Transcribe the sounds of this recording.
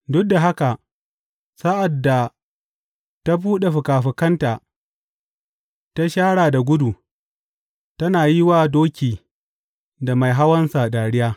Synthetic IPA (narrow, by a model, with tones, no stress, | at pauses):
dʊ˦k̚da˨ɦa˦ka˨ | saː˦ʔa˨dːa˨ | ta˦buː˦ɗa˨ɸʊ˨kaː˨ɸɪ˨kɐ˦nta˨ | ta˦ʃaː˦ɽaː˨da˨ɡʷʊ˦du˨ | tɐ˦naː˨ji˦waː˦doː˦kʲiː˨ | da˨ma˨jɦa˦wɐ˦nsa˨daː˨ɽɪ˦jaː˦